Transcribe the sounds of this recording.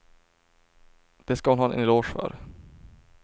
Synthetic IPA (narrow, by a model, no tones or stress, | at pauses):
d̪̥ɛskahʊnɦɑːɛnɛ̰nɪloːʂfœ̰ɾ